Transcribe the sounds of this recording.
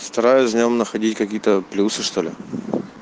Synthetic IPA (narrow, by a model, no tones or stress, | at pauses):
st̪ɐɾajʊsʲvʲnʲomnəxɐdʲitʲkɐkʲijət̪əplʲusɨʂt̪o̞lʲɪ